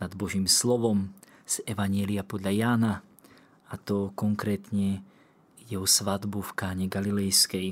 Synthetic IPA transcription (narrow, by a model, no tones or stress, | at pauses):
nad̪bɔʒiːmslɔʋɔm | sɛʋaɲɪɛliapɔd̪ʎajaːna | at̪ɔkɔŋkɾɛːt̪ɲɛ | jɛɦɔsʋad̪bufkaːɲɛɡalilɛjskɛj